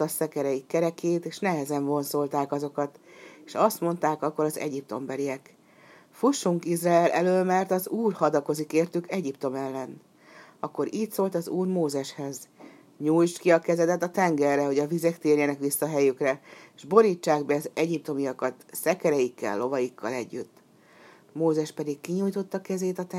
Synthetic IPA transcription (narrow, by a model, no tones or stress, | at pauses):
ɒsɛkɛɾɛjikːɛɾɛkeːt̪eːʃnɛɦɛzɛɱvo̞nso̞lt̪aːkɒzo̞kɒt̪eːʃɒst̪mo̞nt̪aːkɒkːo̞ɾɒzɛ̰ɟip̚t̪o̞̰mbɛliɛk | fuʃːuŋkizraɛlʔɛløːlmɛrt̪ɒzuːrhɒd̪ɒko̞zikeːrt̪ykɛɟipt̪o̞mɛlːɛn | ɒkːo̞ɾiːt̪ʲsoːlt̪ɒzuːrmoːzɛʃhɛz | ɲuːjt͡ʃkiɒkɛzɛd̪ɛt̪ɒt̪ɛŋɡɛrːɛɦo̞ɟɒvizɛkt̪eːrjɛnɛkʋisːɒɦɛjykrɛeʒbo̞ɾiːt͡ʃːaːɡbɛɒzɛɟip̚t̪o̞mijɒkɒt̪sɛkɛɾɛjikːɛ̰lːo̞vɒjikʰːɒ̰lɛɟːyt̪ː | moːzɛʃpɛd̪ikːiɲuːjt̪o̞t̪ːɒkɛzeːt̪ɒt̪ɛ